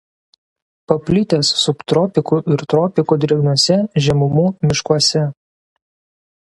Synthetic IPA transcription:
pɐpʲlʲɪt̪ʲeːsːʊpt̪ɾɔpʲɪkuːʔɪɾt̪ɾɔpʲɪkuːd̪ʲɪɛɡnuɔsʲɛʒʲɛmʊmuːmʲɪʃkuɔsʲɛ

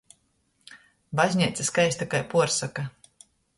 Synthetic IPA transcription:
bazʲɲʲiɛt̪sʲaskajsʲt̪akajpuɔɾsaka

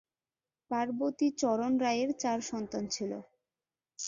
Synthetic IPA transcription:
paɾbot̪it͡ɕɔɾonɾaeɾt͡ɕaɾʃɔnt̪ant͡ɕʰilo̰

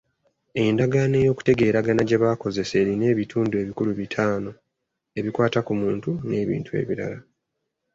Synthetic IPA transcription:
e̞ndaɡane̞ːjo̞ːku̥te̞ɡe̞ːɾaɡanaɟe̞βaːko̞ze̞se̞ːɾine̞ːβitʰuːndue̞ːβikuluβitʰaːno̞ | e̞βikwaːtakumuːntune̞ːβḭːntʰue̞̰ːβiɾa̰la

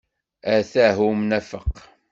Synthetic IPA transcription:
æθæɦumnæfəqː

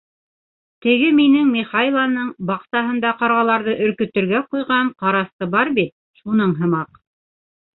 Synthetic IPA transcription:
t̪ɘ̆ɡɘminɘŋmiχɑlˠɑnɤɴbɑqsɑɦɤ̆nd̪ɑqɑɾʁɑlˠɑɾðɤʔɵ̆ɾkɵ̆t̪ɵ̆ɾɡæqujʁɑɴqɑɾɑst̪ɤbɑɾbit̪̚ | ʃunɤɴɦɤ̆mɑq

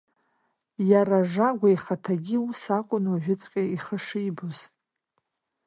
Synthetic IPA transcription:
jaraʐaɡʷaiχatʰaɡʲiusakʷʼʊnwaʒᶣʊt͡sʼqʲʼaiχəʂijboz

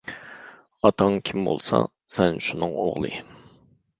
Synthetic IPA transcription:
ɑt̪ʰɑŋkʲʰimbo̰lˠsɑ | sɛnʃunɨŋo̰ʁlˠɨ

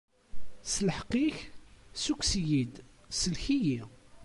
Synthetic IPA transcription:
sləħqːiçsukʷsjid̪ | səlçiji

